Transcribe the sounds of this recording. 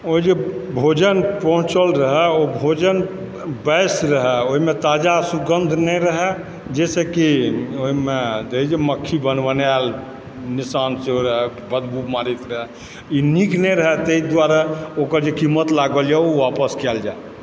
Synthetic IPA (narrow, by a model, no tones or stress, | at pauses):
oid͡ʒebʱod͡ʒənpəɦũt͡ʃəlɾəɦɛobʱod͡ʒən | bəjsɾəɦɛoɦimet̪ad͡ʒasuɡənd̪ʱnɛɾəɦɛ | d͡ʒɛsekioimed̪eid͡ʒeməkʰːibənʋənal | nisansoɾəɦɛ | bəd̪bumaɾit̪ɾəɦɛ | iniknɛɾəɦɛt̪eid̪waɾaokəɾd͡ʒekimət̪laɡəld͡ʒɛuʋapəskɛld͡ʒae